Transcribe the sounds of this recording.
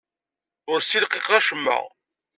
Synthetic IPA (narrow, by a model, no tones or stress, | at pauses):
ʊɾsilqiqæʃəmːə̰ʁ